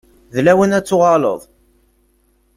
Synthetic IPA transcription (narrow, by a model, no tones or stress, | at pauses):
ðlæwənæt͡sːʊʁɑlə̰ðˤ